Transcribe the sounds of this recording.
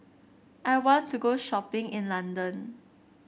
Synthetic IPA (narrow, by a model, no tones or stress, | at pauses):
ʔajwɔ̃ntːuɡoʃɔpɪ̃ŋɪ̃nlãndə̃n